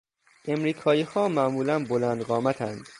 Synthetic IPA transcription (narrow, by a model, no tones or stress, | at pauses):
ʔe̞mɾiːkʰɒːiːhɒːmæʔmuːlænbolænd̪ɢɒːmæt̪ʰænd̪̥